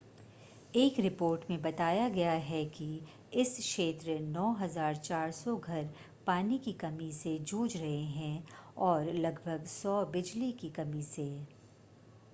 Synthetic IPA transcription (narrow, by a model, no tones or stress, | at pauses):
eːkɾɪpoːɾʈmẽbɐt̪aːjaɡɐjaɦɛki | ɪsʃeːt̪ɾənɔːɦɐzaːɾt͡ʃaːɾsɔɡʱɐɾ | paːnikikɐmised͡ʒuːd͡ʒɾɐɦeɦɛ̃ɔːɾlɐɡbʱəɡsɔːbɪd͡ʒlikikɐmiseː